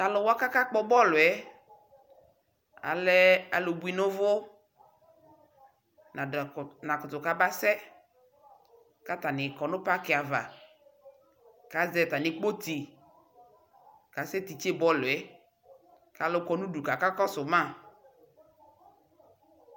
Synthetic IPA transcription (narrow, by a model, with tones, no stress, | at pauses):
ka˨lʊ˨wɔ˦a˦ka˦ka˦k͡pɔ˦bɔ˦lʊ˨ɛ˨˦ | a̰˨lɛ˦a̰˨lo˨bu˨˦i˨nʊ˦vʊ˦ | na˨nã˨kʊ˨tʊ˨ka˦ba˦sɛ˦ | ka˦ta˨nɪ˨kɔ˨nʊ˦pa˦kɪ˨a˨va̰˨ | ka˨˦zɛ˨ta˨nɪ˨k͡po˦ti˨ | ka˨sɛ˦ti˨t͡ʃe˦bɔ˦lʊ˨ɛ˨˦ | ka˨lʊ˨kɔ˨nũ˦du˨ka˨ka˦kɔ˦sʊ˨mã˦˨